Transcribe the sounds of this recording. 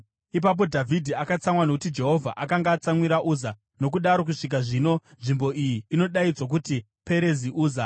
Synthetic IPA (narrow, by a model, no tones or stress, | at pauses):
ip̬ap̬o̞dʱavʱidʱiakat͡samwano̞kutid͡ʒe̞ɦo̞vʱa̰ʔakaŋɡaːt͡samwiɾaʔuza | no̞k̬uɗaɾo̞k̬uʂik̬aʐino̞nʐimbo̞ʔijiːno̞ɗaid͡zwok̬uti | pe̞ɾe̞ziʔuːza